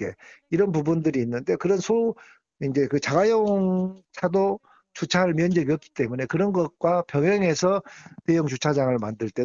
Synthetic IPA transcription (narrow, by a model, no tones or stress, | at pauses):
e̞iɾʌnpubundɯɾiːnːɯnde̞kɯɾʌnsʰo | ind͡ʑe̞kɯt͡ɕaɡajoŋŋt͡ɕʰado | t͡ɕut͡ɕʰaɾɯɭmjʌnd͡ʑʌɡiʌk͈i̥t͈e̞mune̞kɯɾʌnɡʌt̚k͈wapjʌŋʌŋe̞sʰʌtejuŋt͡ɕut͡ɕʰad͡ʑaŋɯɭmandɯɭt͈e